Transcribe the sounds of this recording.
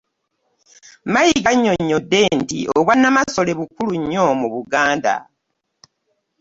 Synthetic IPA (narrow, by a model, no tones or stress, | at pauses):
majiɡaɲːo̞ɲːo̞de̞ːntḭʔoβwanːamaso̞le̞βukuluɲːo̞muβuɡaːnda̰